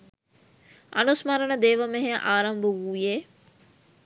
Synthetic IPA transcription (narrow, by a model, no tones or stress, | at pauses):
ɐnusmɐɾɐnəd̪eːʋɐmeɦeʔaːɾɐmbəʋuːjeː